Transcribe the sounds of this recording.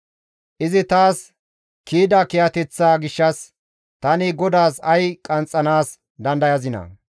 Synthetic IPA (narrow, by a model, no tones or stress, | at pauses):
ʔɪzɪt̪aːs | kiːd̪ɐkɛjɐt̪ɛt͡sːaːɡɪʃːɐs | t̪ɐnɪɡɔd̪aːsɐjkʼɐnt͡sʼːɐnaːs | d̪ɐnd̪ɐjɐzɪnɐ̰